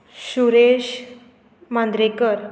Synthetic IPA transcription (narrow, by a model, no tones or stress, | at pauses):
ɕuɾeɕ | mãnd̪ɾekəɾ